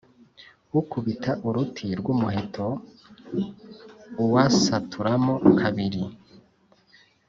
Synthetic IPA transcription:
wukuβitʰaʔuɾutʰiɾɡwumuɦe̞tʰo̞ | wasatʰuɾamokʰaβiɾi

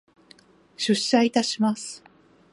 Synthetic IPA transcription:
ɕɨɕait̪aɕimasɨ̥

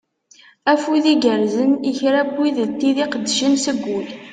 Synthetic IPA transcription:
æfuðiɡəɾzəniçɾæbːiðt̪ːiðiqəd̪ːəʃənsəɡʷːul

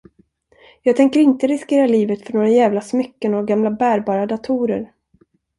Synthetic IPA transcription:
jɑːɡ̚t̪ʰɛŋkəɾɪnt̪əɾɪskeːɾaliːvət̪fœɳoːɾajæːvlasmʏkːənoɡamlabæːɾbɑːɾad̪at̪ʰuːɾə̰ɾ

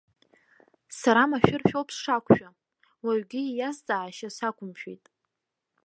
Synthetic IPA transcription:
saɾamaʃᶣɪrʃᶣowpʰʼsʂakʷʰʼʃᶣa | waɥɡʲɪjast͡sʼaʕaʃasakʷʰʼʊmʃᶣḛjtʼ

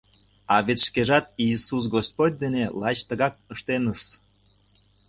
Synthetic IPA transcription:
ɑβet̪ʃkeʒɑt̪iːsus̬ɡos̚pot̚ʲd̪enelˠɑt͡ɕt̪əɣɑk̚əʃt̪enəs

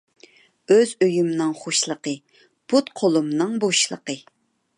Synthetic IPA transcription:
øzøjymnɨŋχoʃlˠəqə | put̪̚qʰolˠumnɨŋboʃlˠə̰qə

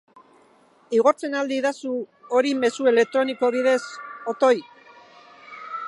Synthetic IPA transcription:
iɣo̞ɾt͡se̞nald̪iðasuo̞ɾime̞sue̞le̞k̚t̪ɾo̞niko̞βiðe̞so̞t̪o̞j

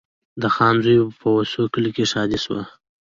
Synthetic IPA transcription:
d̪əxɑnzujpəwasokəlkeʃɑd̪iswa̰

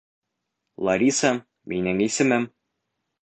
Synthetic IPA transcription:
lˠɐɾʲisɑ | minɘŋisɘ̆mɘm

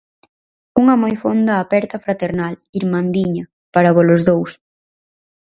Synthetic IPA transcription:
uŋɐmojfond̪ɐːpɛɾt̪ɐfɾat̪eɾnaliɾmand̪iɲɐ | paɾaβɔlʊzðows

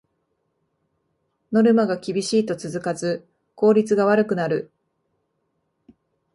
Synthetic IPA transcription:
no̞ɾɯ̟maɡakʲibʲiɕiːt̪o̞t͡sɨzɨkazɨ | ko̞ːɾʲit͡sɨɡaβ̞aɾɯ̟kɯ̟naɾɯ̟

